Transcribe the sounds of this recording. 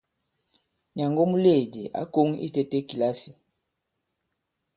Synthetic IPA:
ɲa˨ŋɡo˦mu˦le˦˨d͡ʒi˨ʔa̰˦ko˦ŋḭ˦tɛ˦tɛ˦ki˨la˦si˨

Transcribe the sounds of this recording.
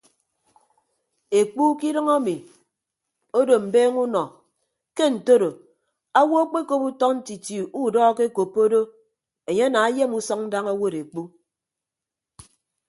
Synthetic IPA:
e˨k͡pu˦ki˦ɾʌ˦ŋa˦mi˨ | o˦do˨m̩˨beː˦ŋu˦nɔ˨ | ke˦n̩˨to˦ɾo˨ | a˦wo˦a˦k͡pe˦ko˦pu˦tɔ˦kn̩˦ti˨ti˨u˦˨dɔ˦ke˦ko˨pːo˦do˦ | e˨ɲe˦a˦na˨a˦je˦mu˦sɔ˦ŋ̚n̩˦da˦ŋa˦wo˦˨ɾe˨k͡pu˦

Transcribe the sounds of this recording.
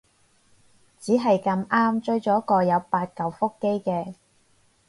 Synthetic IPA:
t͡siː˨˥ɦɐ˨jkɐ˧maː˥mt͡ʃɵ˥ɥt͡ʃɔː˨˥kɔː˧jɐ˨˧wpaː˧t̚kɐ˨wfʊ˥kːe˥jkɛː˧

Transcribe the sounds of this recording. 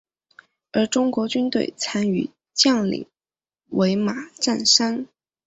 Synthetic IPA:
ə˞˧˥ʈ͡ʂʊ˥ŋkwɔ˧˥t͡ɕy˥nt̪we˥˩ɪt͡sʰa˥ny̰˨˩ | t͡ɕjɑ˥˩ŋlḭ˨˩˦ŋ | we˧˥ɪma˨˩ʈ͡ʂa˥˩nʂa˥n

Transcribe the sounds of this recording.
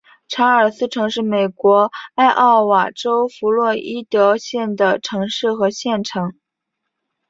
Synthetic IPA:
ʈ͡ʂʰa˧˥ə˞˨˩sɹ̩˥ʈ͡ʂʰɤ˧˥ŋʂɻ̩˥˩me˨˩ɪkwɔ˧˥a˥˧ɪʔɑ˥˩ʊwa˨˩ʈ͡ʂo˥ʊfu˧˥lwɔ˥˩i˥t̪ɤ˧˥ɕjɛ˥˩nd̪ə˩ʈ͡ʂʰɤ˧˥ŋʂɻ̩˥˩xɤ˧˥ɕjɛ˥˩nʈ͡ʂʰɑ˧˥ŋ

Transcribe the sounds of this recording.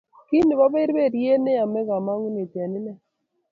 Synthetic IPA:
ki˦ni˨ba˦be˦ɾbe˦˨ɾje˦ne˦a˨mɛ˦ɡa˨ma˦ŋ˦ne˨t̪ja˨nɪ˦nɛ˦

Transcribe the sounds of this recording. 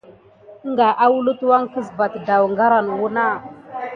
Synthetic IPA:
ŋɡa˨ʔa˦wu˦lu˦twa˦ŋkə˦zba˨tda˨wŋɡa˦ɾa˨n˨wu˦na˦˨

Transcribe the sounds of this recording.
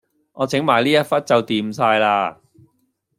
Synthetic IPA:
ʔɔː˨˧t͡sɪ˨˥ŋmaː˨˩jliː˥jɐ˥t̚fɐ˥t̚t͡sɐ˨wt̪iː˨msaː˧jlaː˧

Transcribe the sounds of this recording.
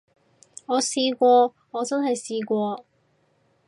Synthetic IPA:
ŋɔː˨˧siː˧kʷɔː˧ | ŋɔː˨˧t͡sɐ˥nhɐ˨jsiː˧kʷɔː˧

